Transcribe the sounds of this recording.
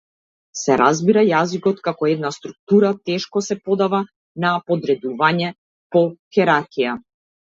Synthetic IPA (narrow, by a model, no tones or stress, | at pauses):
sɛɾʔazbiɾajazikɔt̪kakɔɛd̪nast̪ɾuk̚t̪uɾat̪ɛʃkɔsɛpɔd̪ava | napɔd̪ɾɛd̪uvaɲɛ | pɔxɛɾaɾkija